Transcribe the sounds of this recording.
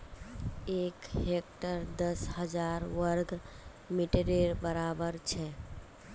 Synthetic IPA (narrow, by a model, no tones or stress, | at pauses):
ekɦek̚ʈəɾd̪əsɦəd͡ʒaɾʋəɾɡ | miʈeɾeɾbəɾabəɾt͡ʃʰɛ